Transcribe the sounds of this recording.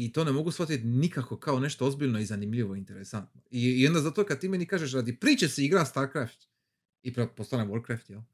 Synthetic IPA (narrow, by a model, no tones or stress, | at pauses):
it̪o̞ːnemo̞ɡusfʋat̪it̪nikako̞kaone̞ʃt̪oozbiʎnoizanimʎʲiʋo̞int̪eɾesant̪noiond̪azat̪okad̪̚t̪iːmenikaːʒeʃ̬ɾad̪ipɾiːt͡ʃeseiɡɾast̪aːɾkɾaft̪ | ipɾpost̪aneʋoɾd̚kɾaft̪jel